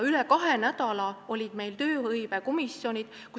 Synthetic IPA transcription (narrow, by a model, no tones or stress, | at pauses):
ylɛkɑɦenæd̪̥ɑlɑo̞lʲid̪̥me̞jlt̪ø̞ːhɤjveko̞misjonʲid̪̥ | ku